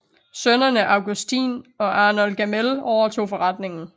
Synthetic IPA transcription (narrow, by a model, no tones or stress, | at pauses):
sønɐnəʔɑ̈ʊɡ̥usd̥ḭːnɒ̽ʔɑ̈ːnɔlɡ̥æmelɒʊɐt͡sʰo̝̰ːfɒ̽ʁɑ̈d̥ne̝ŋn̩